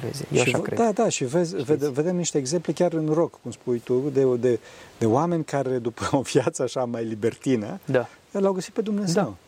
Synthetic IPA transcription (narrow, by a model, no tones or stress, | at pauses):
vḛzʃid̪ad̪aʃivezʲved̪ve̞d̪e̞mniʃt̪eːɡze̞mple̞kʲaɾɨnro̞kːumspujt̪ud̪ed̪e̞d̪̥e̞oame̞nʲkaɾe̞d̪upəovjat̪səaʃamajlibe̞rt̪inəd̪aəlawɡəsit̪̚pe̞d̪umne̞ze̞w